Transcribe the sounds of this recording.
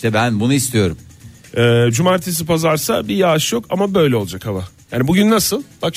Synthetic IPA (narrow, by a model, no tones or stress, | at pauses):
iʃt̪ɛbænbunuist̪ʰijo̞ɾum | ɛːd͡ʒumaːɾt̪ʰes̬ipazaɾsabijaːʃjo̞kamabø̞jlʲɛo̞lˠad͡ʒakhamajaːnibuɟynːasɯlˠbak